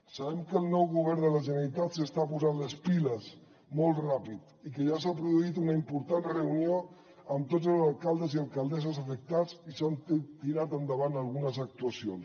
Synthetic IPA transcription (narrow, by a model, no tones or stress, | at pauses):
səβɛmkəːlˠnɔwɣuβ̞ɛɾnd̪ələʒənəɾit̪at̪səst̪apuzanləspiləz | molˠt̪rapit̪ | ikəʒasapɾuðuit̪unəimpuɾt̪anrəunio | əmt̪od͡zəlˠzəlˠkalˠd̪əzialˠkəlˠd̪ɛzəzəfək̚t̪azisant̪iɾat̪ənd̪əβanəlˠɣunəzək̚t̪uəsions